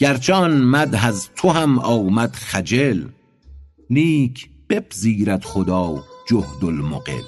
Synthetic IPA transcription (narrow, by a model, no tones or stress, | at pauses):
ɡ̥æɾt͡ʃʰɒːnmæd̪ɦæzt̪ʰoɦæmɒːwmæd̪χæd͡ʒel | niːkʰ | b̥ebziːɾæd̪̥χod̪ɒːwd͡ʒohd̪olmoqḛd̪